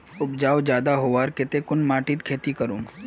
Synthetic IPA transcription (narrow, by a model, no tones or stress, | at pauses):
ʊpd͡ʒaːwd͡ʒjaːd̪aɦoʋaːɾkɪt̪ekʊnmaːʈit̪kʰeːt̪ikəɾuːm